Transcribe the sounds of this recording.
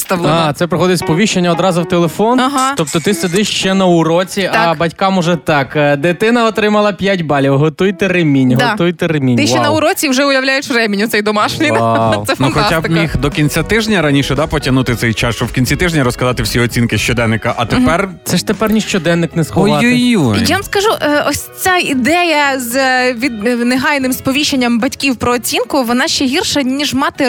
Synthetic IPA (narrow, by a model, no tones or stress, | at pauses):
st̪ɐɑt̪sɛpɾɪxɔd̪ɪtʲspɔʋʲiʃt͡ʃenʲːɐɔd̪ɾɑzʊwt̪elˠefɔnɦat̪ɔp̚t̪ɔt̪ɪsed̪ɪʃʃt͡ʃɛnɐʊɾɔt͡sʲiʔ̪ɐbɐtʲkɑmɔʒɛt̪ɑkd̪ɪt̪ɪnɐɔt̪ɾɪmɐlˠɐpʲjatʲbɑlʲiwɦɔt̪ujt̪ɛɾɪmʲinʲɦɔujt̪ɛɾɪmʲint̪ɪʃɛnɐʊɾɔt͡sʲiwʒɛʊjɐwlʲajʊt͡ʃrɛmʲinʲʊt̪sɛjd̪ɔmɑʃnɪjsɛfnɐxɔab̪ɪmʲixd̪ɔkʲinʲt͡sʲat̪ɪʒnʲɐɾɐnʲiʃɛd̪apɔtʲɐnut̪ɪsɛjt͡ʃɑst͡ʃɔwkʲinʲt͡sʲit̪ɪʒnʲɐɾɔskɐzɑt̪ɪwsʲiɔt͡sʲinkɪʃt͡ʃɔd̪ɛnːɪkɐʔɐt̪eppɛrt̪sɛʃt̪epɛrnʲiʃt͡ʃɔd̪ɛnːɪknɛsxɔjʊjujaʋɐmskɐʒuʔɔsʲt͡sʲaid̪ɛjɐzʋʲid̪neɦɑjnɪmspɔʋʲiʃenʲːɐmbɐtʲkʲiwpɾɔːt͡sʲinkʊʋɔnɑʃʲt͡ʃɛɦʲirʃɐnʲiʒmɑt̪ɪ